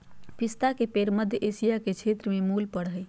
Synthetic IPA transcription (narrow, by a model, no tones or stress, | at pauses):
pist̪akepeɾməd̪ʱjəʔesijaket͡ʃʰet̪ɾəmemulpəɽɦəj